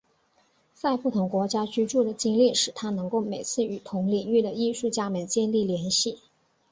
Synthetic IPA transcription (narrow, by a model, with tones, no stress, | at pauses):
sa˥˧ɪpu˥˩t̪ʰʊ˧˥ŋkwɔ˧˥t͡ɕja˥t͡ɕy˥ʈ͡ʂu˥˩d̪ə˩t͡ɕi˥ŋli˥˩ʂɻ̩˨˩t̪ʰa˥nɤ˧˥ŋko˥˩ʊme˨˩ɪt͡sʰɹ̩˥˩y˨˩t̪ʰʊ˧˥ŋli˨˩ŋy˥˩d̪ə˩i˥˧ʂu˥˩t͡ɕja˥˧mə˨˩nt͡ɕjɛ˥˧nli˥˩ljɛ˧˥nɕi˥˩